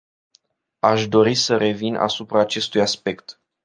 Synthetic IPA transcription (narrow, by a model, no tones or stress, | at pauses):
aʃd̪o̞ɾisəɾe̞vinʔa̰supɾaːt͡ʃe̞st̪ujaspe̞kt̪